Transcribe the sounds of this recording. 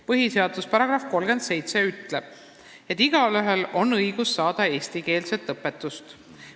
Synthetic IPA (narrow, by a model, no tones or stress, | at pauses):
pɤɦise̞ɑd̪uspɑɾɑɡ̥ɾɑfko̞lɡ̥e̞nd̪se̞jt̪se̞yt̪ˑleb̥ | et̪ːˑiɡ̥ɑlyɦe̞lo̞nɤjɡ̥usːɑːd̪̥ɑe̞ːsʲt̪ike̞ːlse̞t̪ːˑɤpːˑe̞t̪ːˑust̪